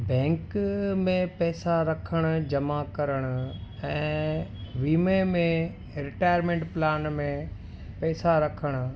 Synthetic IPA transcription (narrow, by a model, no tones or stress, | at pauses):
bɛ̃ːŋkmẽpɛːsaɾɐkʰəɽ̃ʊ̆d͡ʑɐmakɐɾəɽ̃ʊ̆ɛ̃ː | ʋiːmemẽ | ɾɪʈaːjəɾmẽːɳʈplaːnmẽ | pɛːsaɾɐkʰəɽ̃ʊ̆